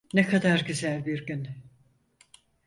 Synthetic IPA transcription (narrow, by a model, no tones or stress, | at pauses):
nekʰad̪aɾɟyzælʲbiɾɟyn